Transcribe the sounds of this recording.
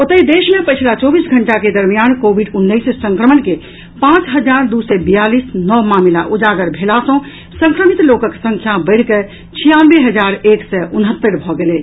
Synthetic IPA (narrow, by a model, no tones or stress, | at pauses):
ot̪əid̪eːʃmẽpət͡ʃʰlat͡ʃɔːbiːsɡʱəɳʈaked̪əɾmijankobʱiɖʊnːəissə̃ŋkɾəmənke | pãt͡ʃɦəd͡ʒaːɾd̪usɛbijaliːsnɔmaːmla̰ʔud͡ʒaːɡəɾbʱelasõ | sə̃ŋkɾəmit̪loːkəksə̃ŋkʰjabəɪɽke | t͡ʃʰijãnʋeɦəd͡ʒaːɾeːksɛʊnɦət̪ːəɾbʱɔɡele